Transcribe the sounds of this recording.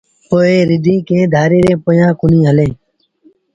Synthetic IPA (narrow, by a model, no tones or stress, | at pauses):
poːeːɾɪd̪ʱĩːkeːd̪ʱaːɾeːɾeːpojãːkʊnĩːɦəlẽː